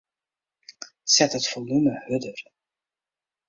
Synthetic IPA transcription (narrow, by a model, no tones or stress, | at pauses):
sɛtətfɔlˠnuməhɵdər